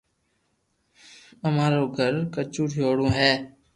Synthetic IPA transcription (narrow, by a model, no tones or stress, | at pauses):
əmãːɾoːɡʱəɾkət͡ʃuːʈʰjoːɽõːɦɛː